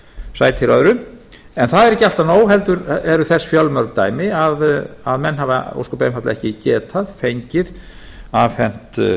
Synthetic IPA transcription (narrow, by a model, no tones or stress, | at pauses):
saːjt̪ʰɪɾœðɾʏ | ɛnθaðɛɾɛcːɪal̥t̪anoːwɦɛlt̪ʏɾɛɾʏθɛsːfjawlmœɾkt̪aːjmɪaða̰ðmɛnːhava̰o̰wskɔpejmfat̪laɛhcɪcɛːt̪ʰaðfejɲcɪð | aːfɛn̥t̪